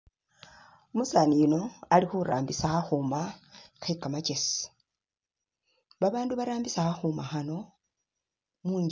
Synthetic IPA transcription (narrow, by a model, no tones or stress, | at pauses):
omusanijino̞alixuɾa̰ːmbisaxaxumaxaikamacesi̥ | βaβaːnduβaɾaːmbisaxaxumaxano̞ | muːɲ